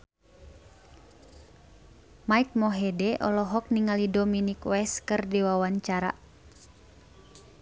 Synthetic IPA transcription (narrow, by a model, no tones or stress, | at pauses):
maik̚mɔɦɛdɛʔɔ̰lɔɦɔk̚niŋalidɔminikwɛskɨrdiwawaɲt͡ʃaɾa̰